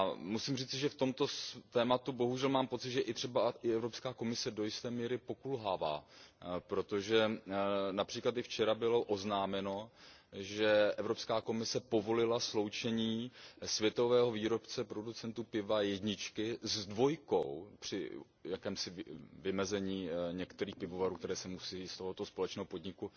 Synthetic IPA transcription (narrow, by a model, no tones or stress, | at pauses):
amusiːmriːt͡sɪʒɛft̪o̞mt̪o̞st̪ɛːmat̪ubo̞ɦuʒɛlmaːmpo̞t͡sɪt̪ʒɛʔɪt̪r̝̥ɛbaʔɪɛvɾo̞pskaːko̞mɪsɛdo̞jɪst̪ɛːmiːɾɪpo̞kulɦaːva̰ːpɾo̞t̪o̞ʒɛ | napr̥iːklat̪ɪft͡ʃɛɾabɪlo̞ʔo̞znaːmɛno̞ | ʒɛʔɛvɾopskaːko̞mɪsɛpo̞vo̞lɪlaslo̞wt͡ʃɛɲiːsvjɛt̪o̞vɛːɦo̞viːɾo̞pt͡sɛpɾo̞dut͡sɛnt̪upɪvajɛdɲɪt͡ʃkɪzdvo̞jko̰wpr̥ɪ̰ | jakɛːmsɪvɪmɛzɛɲiːɲɛkt̪ɛɾiːxpɪvo̞vaɾuːkt̪ɛɾɛːsɛmusiːst̪o̞ɦo̞t̪o̞spo̞lɛt͡ʃnɛːɦopo̞dɲɪku